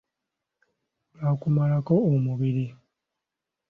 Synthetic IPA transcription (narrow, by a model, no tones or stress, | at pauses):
βakumalako̞ːmuβiɾi